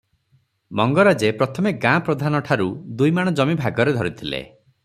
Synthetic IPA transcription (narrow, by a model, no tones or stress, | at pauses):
mɔŋɡɔɾad͡ʒepɾɔt̪ʰɔmeɡãpɾɔd̪ʱanɔʈʰaɾud̪ujmaɽ̃ɔd͡ʒɔmibʱaɡɔɾed̪ʱɔɾit̪ʰilḛ